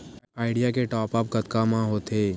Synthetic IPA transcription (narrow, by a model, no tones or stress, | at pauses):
aːɪɖijakeʈɔːpəpkɐt̪kamãɦoːt̪ʰeː